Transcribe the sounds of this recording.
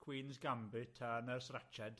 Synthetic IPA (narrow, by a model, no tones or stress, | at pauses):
kʰw̥iːnzɡambɨtʰanəːrsrɛt͡ʃɛd̥